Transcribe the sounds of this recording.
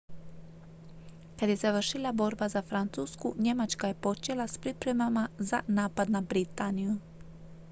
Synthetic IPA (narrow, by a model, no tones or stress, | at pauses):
kad̪je̞zaʋrʃilˠabo̞ɾbazafɾant̪suːskuɲemat͡ʃkaje̞po̞t͡ʃelaspɾipɾe̞mamazanaːpad̪nabɾit̪aniju